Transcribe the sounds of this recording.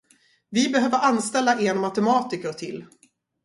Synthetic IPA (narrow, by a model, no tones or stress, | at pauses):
vɪbɛɦøːvəɾanːst̪ɛlːaʔeːɳmat̪ɛmɑːt̪ɪkəɾt̪ʰɪlː